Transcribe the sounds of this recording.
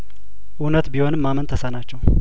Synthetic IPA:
ʔunət̪biho̞nɨmːamənt̪ʰəsənat͡ʃːɛw

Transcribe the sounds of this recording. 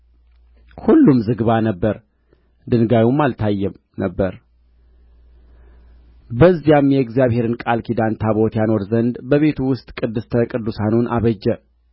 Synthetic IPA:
hulːumzɨɡβanəbːəɾ | d̪ɨnɡajumːalt̪ʰajːɛm | nəbːəɾ | bəzːijamjɛɡzijaβhe̞ɾɨnkʼalkʰid̪ant̪ʰaβo̞t̪jano̞ɾzənd̪bəβe̞t̪ʰuwʊst̪ʼkʼɨd̪ːɨst̪ʰəkʼɨd̪ːusanunʔa̰βəd͡ʒːɛ

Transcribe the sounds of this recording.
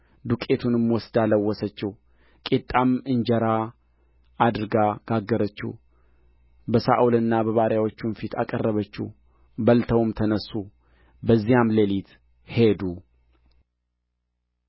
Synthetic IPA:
d̪ukʼet̪ʰunɨmwɔsd̪aləwːɔsət͡ʃːɛw | kʼit̪ʼːamɨɲd͡ʒəɾa | ad̪ɾɨɡaɡ̥aɡːəɾət͡ʃːṵw | bəsaʔulɨnːabəβaɾjawot͡ʃːumfit̪ʰa̰kʼərːəβət͡ʃːṵ | bəlt̪ʰəwmt̪ʰənəsːu | bəzːijamlelit̪ | hed̪u

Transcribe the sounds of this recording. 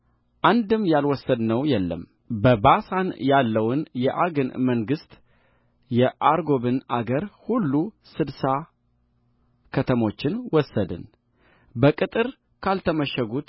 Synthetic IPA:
ʔand̪ɨmjalwɔsːəd̪nəwjɛlːə̰m | bəbasanjalːəwʊnjɛʔaɡɨnməŋɡɨst̪ | jɛʔaɾɡo̞βɨnʔaɡəɾhulːu | sɨd̪sa | kʰət̪ʰəmo̞t͡ʃːɪnwɔsːəd̪ɨ̰n | bəkʼɨt̪ʼɨɾ | kʰalt̪ʰəməʃəɡut̪

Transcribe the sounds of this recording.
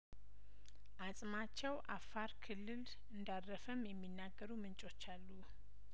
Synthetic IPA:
ʔasʼmat͡ʃːɛwʔafːaɾkʰɨlːɨl | ɨnd̪arːəfəmjɛmːinːaɡːəɾumɨnt͡ʃʼo̞t͡ʃːalːu

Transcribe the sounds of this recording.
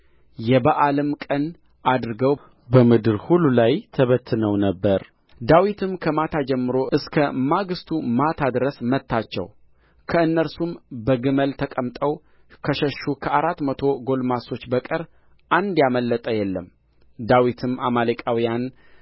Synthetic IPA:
jɛbaʔalɨmkʼən | ʔad̪ɾɨɡəw | bəmɨd̪ɨɾhulːulajt̪ʰəβət̪ʰːɨnəwnəbːəɾ | d̪awit̪ʰɨmkʰəmat̪ʰad͡ʒɛmːɨɾo̞ɨskʰəmaɡɨst̪ʰumat̪ʰad̪ɾəsmət̪ʰːat͡ʃːɛ̰w | kʰəɨnːəɾsumbəɡɨməlt̪ʰəkʼəmt̪ʼəw | kʰəʃəʃːukʰəaɾat̪ːmət̪ʰo̞ɡo̞lmaso̞t͡ʃːbəkʼəɾ | ʔand̪jaməlːət̪ʼəjɛlːəm | d̪awit̪ʰɨmamaləkʼawijan

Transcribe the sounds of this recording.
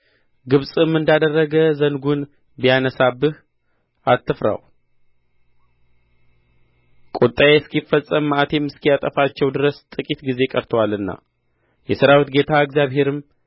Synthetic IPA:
ɡɨβsʼɨmːɨnd̪ad̪ərːəɡəzənɡun | bijanəsabɨh | at̪ːɨfɾa̰w | kʼot̪ʼːajeskifːəsʼːəmat̪ʰe̞mɨskʰijat̪ʼəfat͡ʃːɛwd̪ɨɾəst̪ʼɨkʼit̪ɡize̞kʼəɾt̪ʰəwalɨnːa̰ | jɛsɨɾawit̪ɡe̞t̪ʰaɨɡzjaβɦe̞ɾɨm

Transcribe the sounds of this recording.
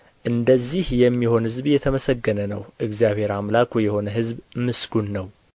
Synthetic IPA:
ʔɨnd̪əzːihjɛmːiho̞nhɨzbjɛt̪ʰəməsəɡːənənəwʔɨɡzjaβe̞ɾamlakʰojɛho̞nəɦɨzbmɨsɡunːəw

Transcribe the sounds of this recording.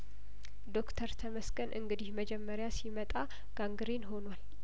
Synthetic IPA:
d̪o̞kt̪ʰəɾt̪ʰəməsɡənʔɨ̰ŋɡɨd̪ihməd͡ʒɛmːəɾjasimət̪ʼa | ɡ̥aŋɡɨɾenho̞nwal

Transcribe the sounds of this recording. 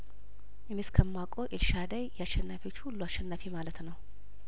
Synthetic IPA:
ʔɨniskʰəmːakʼoʔɪlʃad̪ajjɛaʃɛnːafiot͡ʃːhulːuaʃːɛnːafimalət̪nəw

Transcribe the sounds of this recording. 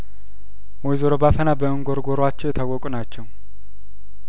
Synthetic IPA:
wɔjzoɾobafənabəɨŋɡoɾɡoɾwat͡ʃːɛwjɛt̪ʰawɔkʼunat͡ʃːɛw

